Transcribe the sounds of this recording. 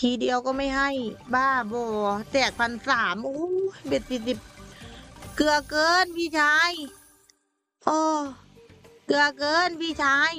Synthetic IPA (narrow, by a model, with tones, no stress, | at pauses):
t̪ʰiː˧˦di˧əwkɔː˧˩ma˥˩jɦa˧˩jbaː˧˩bɔː˧˩t̪ɛː˧˩k̚pʰa˧nsaː˩˦mʔoː˧˥˦be˧˩t̪̚si˧si˧˩p̚ | kɯ˧ɐkɤː˧˥npʰiː˧˨t͡ɕʰaː˧˥j | ʔɔː˧˩ | kɯ˧ɐkɤː˧˥npʰiː˧˥˨t͡ɕʰaː˧˥j